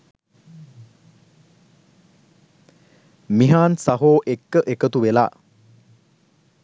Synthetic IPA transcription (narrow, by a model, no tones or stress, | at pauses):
miɦaːnsaɦoːʔekːəʔekət̪uʋela̰ː